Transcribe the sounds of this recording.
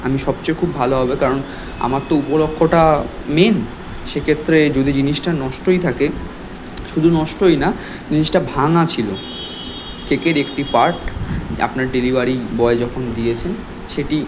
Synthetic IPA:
amiʃɔbt͡ɕojkʰubʱaloɦɔbekaɾon | a̰matt̪ːoupolokʰːoʈa | men | ʃekʰet̪ːɾed͡ʑod̪ʱid͡ʑiniʃʈanɔʃʈojt̪ʰake | ʃud̪ʱunɔʃʈojna | d͡ʑiniʃʈabʱaŋat͡ɕʰilo | kekeɾekʈipaɾʈa̰pnaɾɖelibaɾibɔed͡ʑɔkʰond̪ijet͡ɕʰen | ʃeʈi

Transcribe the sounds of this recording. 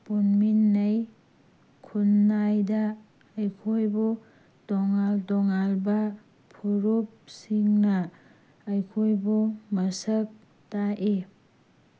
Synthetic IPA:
punminːɐj | kʰunːajdaː | jkʰojbu | dɔŋaldɔŋalbɐ | pʰoɾop̚siŋnɐː | jkʰojbumɐsɐk̚ | taʔe

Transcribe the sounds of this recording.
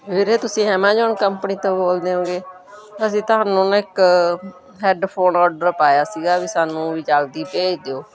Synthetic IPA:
ʋeːɾeːt̪ʊsĩːɦɛːmãːd͡ʒaːɳkəmpniːt̪õːboːld̪eːɦõːɡeː | əs̬ĩːt̪ʊɦaːnũːnəɪk | ɦɛːɖpʰoːnɔːɾɖəɾpaːjaːsiːɡaːʋiːsaːnũːʋiːt͡ʃald̪iːpeːd͡ʒd̪eːoː

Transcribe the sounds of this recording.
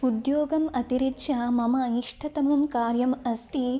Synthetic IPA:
ud̪joːɡɐmɐt̪iɾit̪ʃɐmɐmɐiʂʈʰɐt̪ɐmɐmkaːɾjɐmɐst̪i

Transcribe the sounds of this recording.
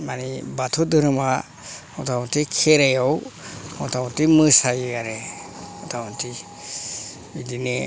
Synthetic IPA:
manibat̪ʰudɯɾɯma | ɔtʰawɔntikʰɛɾajɔwɔtʰawɔtimɯsajaɾɛɔtʰawɔntʰi | idine

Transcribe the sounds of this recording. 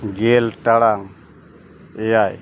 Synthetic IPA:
ɡelʈaɽaŋ | ejaj

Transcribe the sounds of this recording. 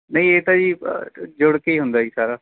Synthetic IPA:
nəĩeːt̪ãːd͡ʒḭːd͡ʒʊɽkeiːɦʊnd̪aːiːsaːɾaː

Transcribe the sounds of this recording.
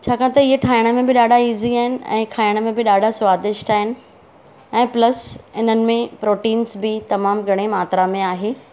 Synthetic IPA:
t͡ɕʰaːkʰãt̪ɐɪɦeʈʰaːɪɽ̃ə̆mẽbɪɗaːɖʱaiːziaːɦɪnɪ̆ɛ̰̃ːkʰaːɪɽ̃ə̆mẽbɪɗaːɖʱasʊʋaːd̪ɪʃʈaːɦɪnɪ̆ | ɛ̃ːplɐsɪn̤ənɪ̆mẽpɾoːʈiːnsbɪt̪ɐmaːmɡʱɐɽ̃emaːt̪ɾamẽaːɦeː

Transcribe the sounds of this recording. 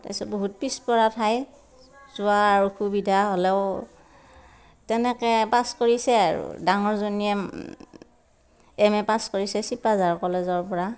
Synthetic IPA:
ta̰jsɛboɦut̚pispɔɹatʰaj | zʊaɹukʰubidʱaɦɔlɛʊ | tɛnɛkɛpaskoɹisɛa̰ɹṵdaŋɔɹzoniɛ | ɛmɛpaskoɹisɛsipazaɹkɔlɛzɔɹpɔɹa

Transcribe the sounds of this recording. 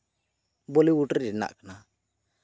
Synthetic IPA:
boliuʈdina̰ʔkna

